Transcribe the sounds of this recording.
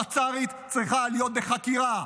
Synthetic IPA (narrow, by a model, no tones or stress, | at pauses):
at͡saʁit̪ | t͡sʁiχalijot̪̚beχakiʁa